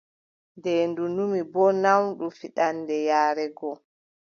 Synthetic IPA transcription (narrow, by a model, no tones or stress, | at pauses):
ndɛndunumibɔnawɗufiɗanːdɛjaːɾɛɡɔ